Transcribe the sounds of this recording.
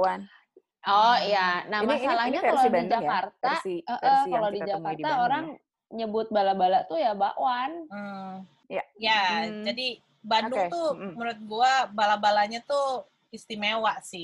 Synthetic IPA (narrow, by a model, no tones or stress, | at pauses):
an | ɔjanahmasalahɲaaloid͡ʒakart̪aəʔəkalodid͡ʒakaraoɾaŋŋ | ɲəbʊt̪̚balabalat̪ujabaʔwanə | jad͡ʒadi | bandut̪umuɾʊt̪̚ɡuabalabalaɲat̪u | ist̪imewaʔsɪh